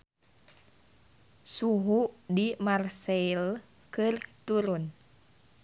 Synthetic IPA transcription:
suɦuʔdimarsɛil | kɨrt̪uɾun

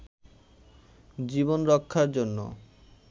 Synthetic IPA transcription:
d͡ʑibonɾɔkʰːaɾd͡ʑonːo̰

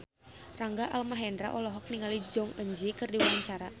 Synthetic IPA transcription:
raŋɡaʔalmaɦɛndɾa̰ʔɔlɔɦɔk̚niŋalid͡ʒɔŋəɲd͡ʒikɨrdiwaaɲt͡ʃaɾa

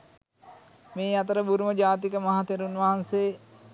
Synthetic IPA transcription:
meːat̪əɾəbuɾuməd͡ʒaːt̪̬ikəmaɦat̪eɾunʋaɦanseː

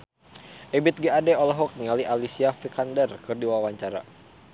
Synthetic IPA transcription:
ʔɛbɪt̪̚ɡeadɛɔlɔɦɔk̚niŋaliʔalisiafikandərkɨrdiwawaɲt͡ʃaɾa̰

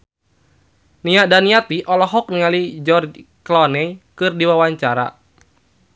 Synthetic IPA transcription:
niadaniat̪iʔɔlɔɦɔk̚niŋalid͡ʒɔrd͡ʒ | klɔnɛikɨrdiwawaɲt͡ʃaɾa̰

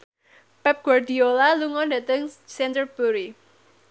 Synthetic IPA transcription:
pɛp̚ɡ̥ward̪iolaluŋɔndä̤t̪əŋsɛnt̪ərb̥uɾi

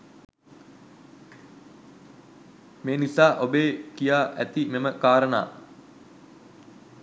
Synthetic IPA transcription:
meːnisaːʔobeːkijaːʔæ̰t̪imeməkaːɾəna̰ː

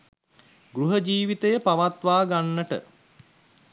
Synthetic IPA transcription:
ɡɾuɦəd͡ʒiːʋit̪əjəpaʋat̪ʋaːɡanːəʈə̰

